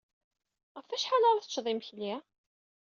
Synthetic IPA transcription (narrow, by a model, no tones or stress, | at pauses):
ʁəfæʃħalaɾˤθət͡ʃːðˤimçli